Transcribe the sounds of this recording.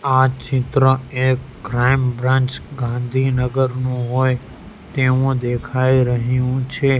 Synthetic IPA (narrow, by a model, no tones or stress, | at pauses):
at͡ʃɪt̪ɾəekːɾajmbɾãnt͡ʃɡãnd̪ʱinəɡəɾnũɦoj | t̪eʋũd̪ekʰaiɾəɦjũt͡ʃʰe